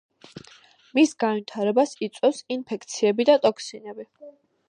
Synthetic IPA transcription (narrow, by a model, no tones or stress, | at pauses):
misɡanvit̪ʰaɾɛbasit̪sʼwɛfsinpʰɛkʰt̪sʰiɛbid̪at̪ʼɔksinɛbi